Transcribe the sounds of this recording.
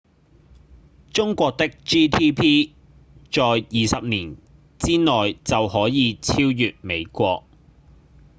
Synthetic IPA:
t͡sʊ˥ŋkʷɔː˧k̚t̪ɪ˥k̚t͡ʃiː˥t̪ʰiː˥pʰiː˥ | t͡ʃɔː˨jːiː˨sɐ˨p̚niː˨˩n | t͡siː˥nɔː˨˩jt͡sɐ˨whɔː˨˥jiː˨˧t͡sʰiː˥wjyː˨t̚me˨˧jkʷɔː˧k̚

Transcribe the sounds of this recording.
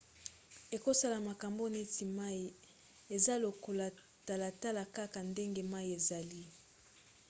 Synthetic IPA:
e˨ko˦sa˦la˨ma˨ka˨mbo˦ne˦ti˨ma˦i˨ | e˨za˦lo˨ko˨la˨ | ta˨la˨ta˦la˨ka˦ka˨nde˦ŋɡe˦ma˦i˨e˨za˨li˦

